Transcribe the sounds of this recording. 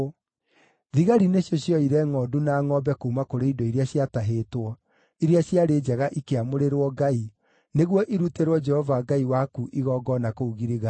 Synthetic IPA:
ðiɣaɾineɕjɔɕjɔiɾɛŋɔːdunaːŋɔbɛkoumakoɾeidɔiɾeaɕjataɦetwɔ | iɾjaɕjaɾeːd͡ʒɛɣaʔikeamoɾeɾwɔɡai | neɣwɔʔiɾuteɾwɔd͡ʒɛhɔvaɡaiwakuʔiɣɔːɡɔnakouɣiɾiɣa

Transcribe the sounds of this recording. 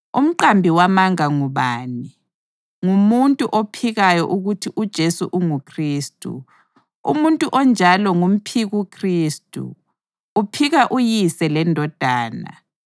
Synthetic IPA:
ṵm̩ǃambʱiwamaŋaŋuβaːni | ŋumuntʼuʔopʰiɣajɔʔuɣutʰiʔud̥ʒ̥ʱesuʔuŋukʰriːstʼṵ | ṵmuntʼuʔɔnd͡ʒʱalɔŋum̩pʰiɣukʰriːstʼṵː | pʰiɣaʔujisɛlɛndʱɔd̥ʱaːna̰

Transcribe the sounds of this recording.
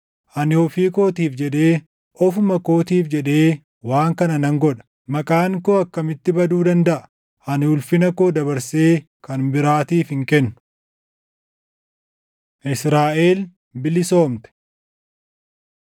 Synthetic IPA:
ʔɐnɪɔfiːko̞ːt̪iːfd͡ʒɛᶑe̞ː | ʔɔfʊmɐko̞ːt̪iːfd͡ʒɛᶑe̞ː | waːŋkɐnɐnɐŋɡɔᶑɐ̥ | mɐkʼaːŋkoːɐkːɐmɪt̪ːɪbɐd̪uːd̪ɐnd̪ɐʔɐ̥ | ʔɐnɪhʊlfɪnɐkoːd̪ɐbɐɾse̞ː | kɐnbɪɾaːt̪iːfhɪŋkɛnːʊ̥ | ʔɪsɾaːʔe̞ːl | bɪlɪso̞ːmt̪ɛ̥

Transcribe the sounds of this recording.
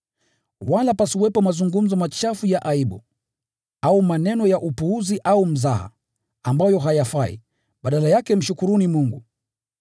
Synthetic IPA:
walapasiwɛpɔmazuŋɡum̩zɔmat͡ʃafujaʔaiɓṵ | aumanɛnɔjaʔupuuziʔaum̩zaha̰ | ambajɔɦajafaḭ | ɓaɗalajakɛm̩ʃukuɾunimuŋɡu

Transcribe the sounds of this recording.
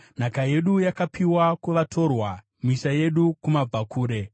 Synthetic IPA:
n̤akaje̞ɗujakapʰiwakuʋatʰo̞rwa | miʃaje̞ɗukumab͡vakʰuːɾe̞

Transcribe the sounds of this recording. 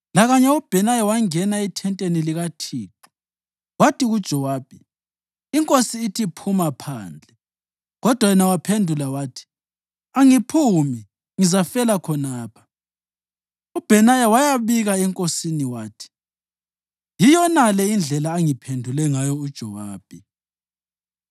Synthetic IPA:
laɣaɲɛub̥ʱɛnajawaŋɛnaitʰɛntʼeniliɣatʰiːǁɔ̥ | watʰʼiɣud̥ʒ̥ʱɔwaːb̥ʱi | iŋkʼosiːtʰipʰumapʰa̰ːnd͡ɮʱɛ | ɣɔd̥ʱwajɛnawapʰendʱulawaːtʰi̥ | aŋipʰumi | ŋizafɛlakʰɔnaːpʰḁ | ub̥ʱɛnajawajaβiɣaɛŋkʼosiniwaːtʰi̥ | jijɔnalɛind͡ɮʱɛlaːŋipʰendʱulɛŋajɔud̥ʒ̥ʱɔwaːb̥ʱi

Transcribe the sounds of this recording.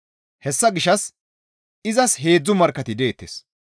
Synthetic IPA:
hɛsːɐɡɪʃɐs | ɪzɐsɦe̞ːd͡zːʊmɐɾkːɐt̪ɪd̪e̞ːt̪ːḛs

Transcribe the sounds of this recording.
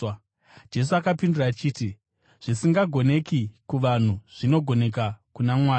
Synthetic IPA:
d͡ʒe̞s̬uakapindurat͡ʃiːti | ʐ̥isiŋɡaɡʱo̞ne̞kikuʋan̤uʐ̥ino̞ɡʱo̞ne̞k̬akunamwaːj

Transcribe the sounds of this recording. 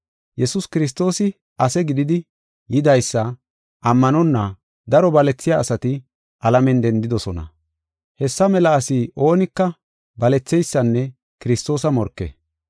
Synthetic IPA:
jɛsʊskɪɾɪs̬t̪o̞ːsɪ | ɐsɛɡɪd̪ɪd̪ɪ | jɪd̪ɐjsːɐ | ʔɐmːɐnɔnːɐ | d̪ɐɾɔbɐlɛt͡sːɪjaːsɐt̪ɪ | ʔɐlɐmɛnd̪ɛnd̪ɪd̪ɔsɔnɐ̰ | hɛsːɐmɛlɐːsiʔo̞ːnɪkːɐ | bɐlɛt͡sːɛjsːɐnːɛ | kɪɾɪst̪o̞ːsɐmɔɾkːḛ

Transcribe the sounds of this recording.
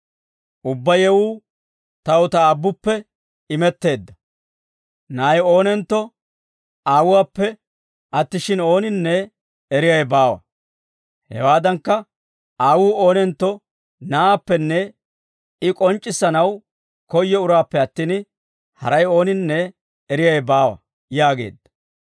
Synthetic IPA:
ʔʊbːɐjɛwuː | t̪ɐʊt̪ɐːbːʊpːɛ | ɪmɛt̪ːe̞ːd̪ːɐ | naːjo̞ːnɛnt̪ːɔ | aːwʊwaːpːɛ | ʔɐt̪ːɪʃɪno̞ːnɪnːɛː | ɾɪjɐjbaːwɐ̰ | hɛ̰waːd̪ɐŋkːɐ | aːwuːo̞ːnɛnt̪ːɔ | naːpːɛnːɛ | ɪkʼɔnt͡ʃʼːɪsːɐnɐw | kɔjːɛʊɾaːpːɛɐt̪ːiːn | hɐ̰ɾɐjo̞ːnɪnːɛː | ɾɪjɐjbaːwɐ̰ | jaːɡe̞̰ːd̪ːɐ̥

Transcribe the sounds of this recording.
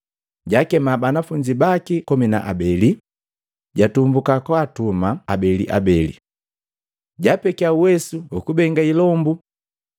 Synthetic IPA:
ɟakɛmabanafuɲd͡ʒibakikɔmina̰ʔa̰bɛli | ɟatumbukakwatumaabɛlḭʔa̰bɛlḭ | ɟapɛkiauwɛsuukubɛŋɡailɔmbu

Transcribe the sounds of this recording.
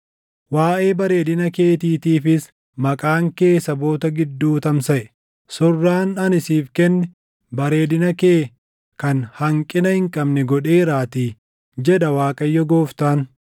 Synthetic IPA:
waːʔe̞ːbɐɾe̞ːd̪ɪnɐke̞ːt̪iːt̪iːfɪs | mɐkʼaːŋke̞ːsɐbo̞ːt̪ɐɡɪd̪ːuːt̪ɐmsɐʔɛ | sɔrːaːnɐnɪsiːfkɛnːɛ | bɐɾe̞ːd̪ɪnɐkeː | kɐnhɐŋkʼɪnɐhɪŋkʼɐbnɛɡɔᶑeːɾaːt̪iː | d͡ʒɛᶑɐwaːkʼɐjːɔɡoːft̪aːn

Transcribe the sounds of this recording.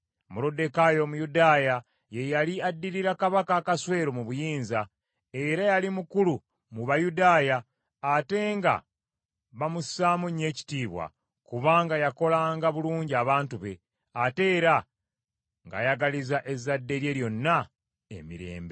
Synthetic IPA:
muɾo̞de̞kajo̞ːmujudaːja | je̞jaliadːiɾiɾakaβakaːkaswe̞ːɾo̞muβujiːnza | e̞ɾajalimukulu | muβajudaːjaː | te̞ŋɡa̰ | βamusaːmuɲːe̞ːci̥tiːβwa̰ | kuβaːŋɡajako̞laːŋɡaβuluːɲɟiaβaːntuβe̞̰ | ate̞ːɾa | ŋɡa̰jaɡalizaʔe̞zadːe̞ɾje̞ɾjo̞nːa | ḛmḭɾe̞̰ːmbe

